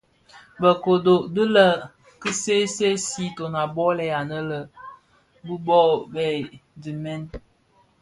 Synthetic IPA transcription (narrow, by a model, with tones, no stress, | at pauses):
bə˨ko˨do˨də˦lə˦˨ | kə˦se˦se˦si˦to˨na˨bɔ˦lɛ˨ja˨nə˦lə˨ | bu˦bɔ˦bɛ˨di˨mɛ˦n